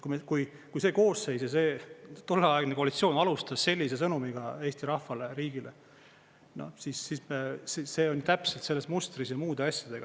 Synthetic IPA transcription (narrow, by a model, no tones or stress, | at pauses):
kumekuj | kujse̞ːko̞ːsse̞jsjɑse̞ːt̪o̞lːeɑeɡ̥neko̞ɑlit̪sio̞ːnɑlust̪ɑsse̞lʲːise̞s̬ɤnumiɡ̥ɑe̞ːst̪iɾɑhfɑleɾiːɡ̥ile | no̰sisːissise̞ːonʲt̪æpselt̪se̞lːesmust̪risjɑmuːd̪e̞ɑsʲjɑd̪̥e̞ɡ̥ɑ